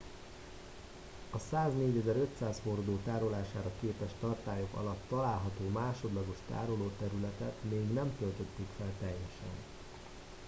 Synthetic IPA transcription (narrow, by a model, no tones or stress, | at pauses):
ɒsaːzneːɟɛzɛɾø̞t̪saːsfo̞rd̪oːt̪aːɾo̞laːʃaːɾɒkeːpɛʃt̪ɒrt̪aːjo̞kɒ̰lɒt̪ːɒlaːlɦɒt̪oːmaːʃo̞d̪lɒɡo̞ʃt̪a̰ːɾo̞loːt̪ɛɾylɛt̪ɛt̪meːɡnɛmt̪ølt̪ø̞t̪ːeːkfɛlt̪ɛjːɛʃɛ̰n